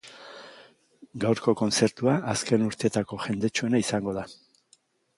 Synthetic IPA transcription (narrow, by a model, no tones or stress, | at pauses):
ɡawɾko̞ko̞nt͡se̞ɾt̪uaʔːske̞nuɾt̪e̞t̪ako̞ʝe̞nd̪e̞t͡ʃue̞naisaŋɡo̞ð̞a